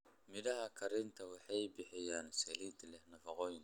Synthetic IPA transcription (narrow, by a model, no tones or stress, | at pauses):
mɪðɐɦɐkʰɐɾɪnt̪ʰɐwɑħɑjbɪħɪjaːnsɛlid̪lɛhnɐfɐqɔːjɪn